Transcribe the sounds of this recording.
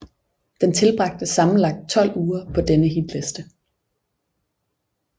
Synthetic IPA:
d̥ent͡sʰe̝lb̥ʁɑ̈ɡ̥̚d̥əsɑ̈mn̩lɑ̈ɡ̥̚d̥̚t͡sʰɒ̽l̰uːɐpʰɒ̽d̥enəɦid̥lesd̥ə

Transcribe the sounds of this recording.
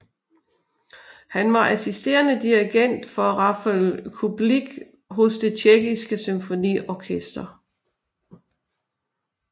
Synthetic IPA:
hænʋɑ̈ʔæsisd̥e̝̰ːɐnəd̥iiɡ̥en̰d̥fɒ̽ʁɑfælkʰub̥liɡ̥ | ɦɔsd̥e̝t͡ɕʰeɡ̥isɡ̥əsymfo̝nḭːɒkʰesd̥ɐ

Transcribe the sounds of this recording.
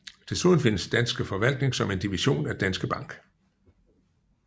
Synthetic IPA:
t͡sʰe̝lsuðˠn̩fe̝nəsd̥ænsɡ̥əfɒ̽ʋæl̰d̥ne̝ŋsɒ̽me̝nd̥iʋiɕo̝̰ːnæd̥ænsɡ̥əb̥ɑ̈ŋ̰ɡ̥

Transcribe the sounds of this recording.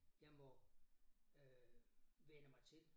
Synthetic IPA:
jɑ̈ɪmɒ | ø | ʋenəmɑ̈ɪt͡sʰe̝l

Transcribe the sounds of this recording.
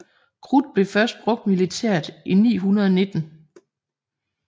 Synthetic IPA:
kʰʁud̥̚b̥le̝fɶɐsd̥̚b̥ʁɔ̽ɡ̥̚d̥milit͡sʰæɐ̰d̥ʔinḭːɦunɐð̞ˠɒne̝d̥n̩

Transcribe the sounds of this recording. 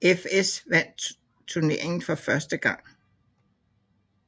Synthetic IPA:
efesʋæn̰d̥̚ | t͡sʰuɐne̝ɐ̰e̝ŋn̩fɒ̽fɶɐsd̥əɡ̥ɑ̈ŋ̰

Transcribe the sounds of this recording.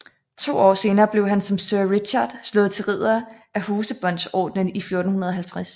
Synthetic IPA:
t͡sʰo̝̰ːɒ̰ːse̝ːnɐːb̥le̝ʊ̰ɦænsɒ̽msøɐʁid̥ɕɑd̥slɔ̽ːð̩ˠt͡sʰe̝lʁið̰ˠɐʔæhuːsəb̥ɒ̽n̰d̥sɒ̰ːd̥nənifjo̝ɐd̥n̩hunɐð̞̩ˠɒɦælt͡sʰʁæs

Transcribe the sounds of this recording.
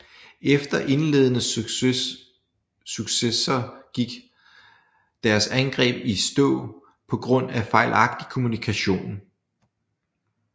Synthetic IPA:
efd̥ɐʔe̝nle̝ðˠənə | syɡ̥sesɐɡ̥iɡ̥ | d̥æɐsænɡ̥ʁɛ̰ːb̥isd̥ɔ̰ː | pʰɒ̽ɡ̥ʁɔ̽n̰æfɑ̈ɪlʔɑ̈ɡ̥̚d̥i̥kʰo̝munikʰæɕo̝̰ːn

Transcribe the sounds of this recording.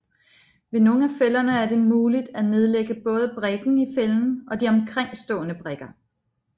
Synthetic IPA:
ʋe̝no̝ːŋ̩æfelɐnəæɐde̝muːlid̥æne̝ð̞ˠleɡ̥əb̥ɔ̽ːð̞̩ˠəb̥ʁeɡ̥n̩ifeln̩ɒ̽diɒ̽mkʰʁeŋ̰sd̥ɔ̰̽ːnəb̥ʁeɡ̥ɐ

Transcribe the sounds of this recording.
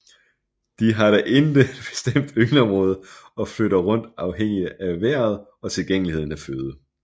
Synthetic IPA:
d̥iɦɑ̈ɾæʔend̥əed̥b̥e̝̥sd̥em̰d̥yɡnɒ̽mʁɔ̽ːð̞ˠəɒ̽fløɾɐʁɔ̽n̰d̥ɑ̈ʊɦeŋ̰iæʋæɐ̰ð̞̩ˠ | ɒ̽t͡sʰe̝lɡ̥eŋ̰əlihe̝ð̰ˠn̩æføːð̞ˠə

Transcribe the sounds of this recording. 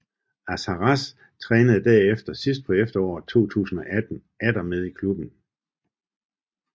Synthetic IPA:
æsɑʁɑs | t͡sʰʁɛːnəð̞̩ˠd̥æɐefd̥ɐsisd̥̚pʰɒ̽efd̥ɐɒ̰ːt͡sʰo̝̰ːt͡sʰṵːsn̩ɒ̽ʔæd̥n̩ | æd̥ɐmeð̞ˠikʰlub̥n̩

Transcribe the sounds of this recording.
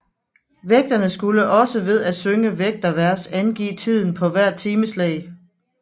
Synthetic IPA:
ʋeɡ̥̚d̥ɐnəsɡ̥uləʔɒ̽səʋe̝ð̞ˠæ̥søŋəʋeɡ̥̚d̥ɐʋæɐ̰sænɡ̥ḭːt͡sʰið̞̰ˠn̩pʰɒ̽ʋæɐ̰t͡sʰiːməslɛ̰ɪ

